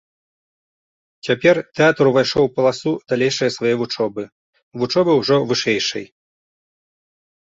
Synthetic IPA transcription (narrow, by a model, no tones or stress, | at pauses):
t͡sʲapʲɛrt̪ɛat̪ɾuvajʂɔwpɐlˠasud̪̥alʲejʂɐjɐsvajɛvut͡ʂɔbɨ | vut͡ʂɔbɨwʐɔvɨʂɛjʂɐ̰j